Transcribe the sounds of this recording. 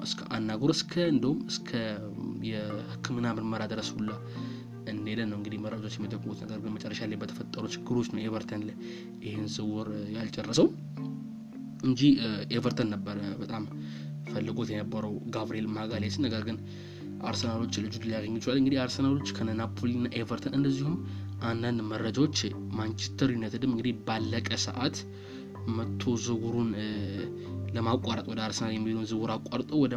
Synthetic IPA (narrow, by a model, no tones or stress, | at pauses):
ʔɨskʰəʔanːaɡuɾɨskʰəɨnd̪əhumɨskʰə | jɛhɨkʰːɨmɨnːamɨɾməɾad̪ɨɾəshulːə | ɨnd̪elənːəwɨŋɡɨd̪ihməɾat͡ʃʼot͡ʃːjɛmit̪ʼəkʼːmut̪nəɡəɾɡɨnmət͡ʃʼɛrːəʃalajbət̪ʰə̥fət̪ʼːəɾut͡ʃɪɡːɨɾo̞t͡ʃːnəwevəɾt̪ʰənl | ɪhenzɨwɔɾjalt͡ʃʼɛrːəsəw | ɨnd͡ʒievəɾt̪ʰənːəbːəɾbət̪ʼam | fəlːɨɡot̪jɛnəbːəɾəwɡaβɾie̞lmaɡalesɨnːəɡəɾɡɨn | ʔaɾsənalo̞t͡ʃːlɨd͡ʒud̪ɨlijaɡəɲːɪt͡ʃːalːɨŋɡɨd̪iaɾsənalo̞t͡ʃːkʰənənapʰolinːaʔe̞vəɾt̪ʰənɨnd̪əzːihum | ʔand̪and̪mərːəd͡ʒawo̞t͡ʃːmant͡ʃʰɛ̥st̪ʰəɾinːət̪ɨd̪ɨmːɨŋɡɨd̪ihbalːəkʼəsə̰ʔat̪ | mət̪ʰːo̞zɨɡuɾun | ləmakʷʼaɾət̪ʼwɔd̪əaɾsənaljɛmːihonəzɨɡuɾakʷʼːaɾt̪ʼowɔd̪ə